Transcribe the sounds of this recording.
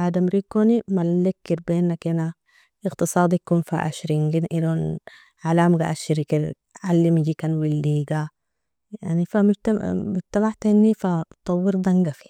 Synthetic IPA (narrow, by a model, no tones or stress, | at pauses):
ʕaːd̪amɾiːkːoːnimallekːiɾbeːnːakena | ɪɣt̪ɨsˤɑːd̪ˤijkuːnfa̰ʔa̰ʃɾiŋɡinʔilon | ʕalaːmɡaʔaʃiɾikiɾ | ʕalːimd͡ʒikanwilːiːɡa | jaʕnifamud͡ʒt̪amut̪abaħt̪enːifat̪ˤɑwːiɾd̪aŋɡafi̥